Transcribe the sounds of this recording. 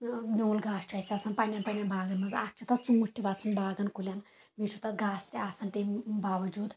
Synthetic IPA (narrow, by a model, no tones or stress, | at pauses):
nʲoːlɡaːst͡ʃʰɐjsʲasʰɐnpanʲanpɐnʲjanbaːɡɐnmɐnza̰ːk̚t͡ʃʰut̪ɐt̪t͡sũːʈʲʈ̪ʲːiʋat͡sʰɐnbaːɡɐnkulʲan | bit͡ʃʰut̪ɐt̪ɡaːst̪easɐlt̪ebaːʋɐd͡ʒuːd̪